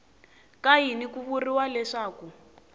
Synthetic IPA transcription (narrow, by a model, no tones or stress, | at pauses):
kaɦinikuβuriwalɛʂaːku